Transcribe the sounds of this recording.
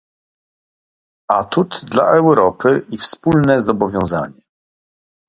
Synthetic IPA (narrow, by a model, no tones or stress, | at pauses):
at̪ut̪d̪la̰ʔɛwɾɔpʰɘʔifspulnɛzɔbɔvʲjɔ̃w̃za̰ɲɛ